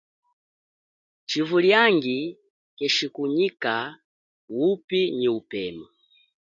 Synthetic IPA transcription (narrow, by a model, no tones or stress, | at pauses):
t͡ʃivuljaŋɡi | kɛʃikuɲika | wupiniupɛmɔ